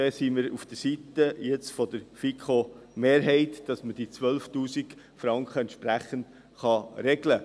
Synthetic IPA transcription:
ɛsiːməɾufd̥əɾsit̪əjɛt͡sfɔd̥̪əɾfikʰomeːɾɦɛɪtd̥ɑsməd̥it͡sʋœlftuːsik | fɾɑŋkχəɛntʃpɾæχənt | χɑɾɛɡlə

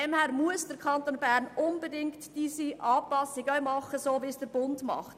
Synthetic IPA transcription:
ɛmhæːɾmuəsd̥əɾkʰɑntonbæːɾnʊnbedɪŋktd̥iːsiʔɑːpɑsɪɡœɥmɑχəsoːʋisd̥əɾbʊndmɑ̰χt

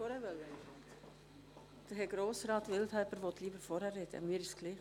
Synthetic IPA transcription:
ɔɾɛʋœlːə | d̪̥əɦɛɡ̥ɾoːsrɑːt̪ʋɪlt̪hɛlpəɾvɔt̪ʰliːbəɾfɔɾhærɛd̥̪ə̰miːəɾɪʃsɡ̥liː

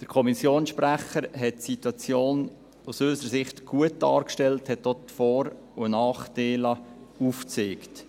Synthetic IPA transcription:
d̥əɾkʰɔmisjoːnsʃpræχəɾɦɛtːsitwɑt͡sjoːn | usøːsəɾəsɪχtɡ̥uət̚d̥ɑːɾkʃtɛlthɛtːotfɔːɾ | unɑːχd̥eːlɑuft͡seːkt

